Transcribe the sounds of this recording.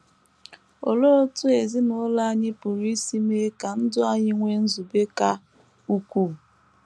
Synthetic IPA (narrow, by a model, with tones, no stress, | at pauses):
o˨lo˦tʊ˦e˨zi˦nʊ˦la˦a˦ɲɪ˦pʊ˨ɾi˦si˦me˦ka˨n̩˦dʊ˦a˦ɲɪ˦ŋʷe˦n̩˦zu˨be˦ka˦ | u˦kʷu˦˨